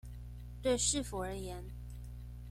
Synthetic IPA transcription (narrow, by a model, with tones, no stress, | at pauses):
t̪we˥˧ɪʂɻ̩˥˨fu˨˩ə˞˧˥jɛ˧˥˦n